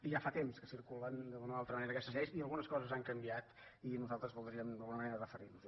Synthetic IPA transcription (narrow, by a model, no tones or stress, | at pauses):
iʒafat̪emskəsiɾkulənd̪əɣunəoalˠt̪ɾəməneɾəkɛst̪əzɛjsiəlˠɣunəskɔzəzaŋkəmbiat̪inuzalˠt̪ɾəzβɔlˠd̪ɾiəmd̪əlˠɣunəməneɾərəfəɾinuz